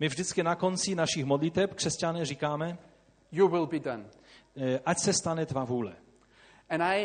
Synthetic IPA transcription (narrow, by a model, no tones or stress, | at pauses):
mɪvʒdɪt͡skɪnako̞nt͡sɪnaʃixmodlɪt̪ɛpkr̥ɛscanɛːriːkaːmɛ | juwɪlˠbidʌ̃n | ʔacsɛst̪anɛt̪vavuːlɛ̰ | ə̃na